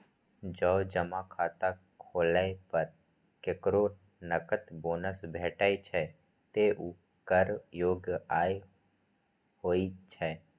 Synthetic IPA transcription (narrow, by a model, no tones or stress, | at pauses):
d͡ʒəːd͡ʒəmakʰaːt̪a | kʰoːlaepəɾ | keːkɾo | nəkət̪boːnəsbʱɛːʈaːit͡ʃʰɛ | t̪eʔu | kəɾjoːɡaːe | hoːit͡ʃʰɛː